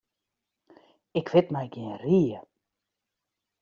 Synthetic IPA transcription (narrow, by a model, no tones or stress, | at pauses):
ɪkʋɪtmɛjɡiənriə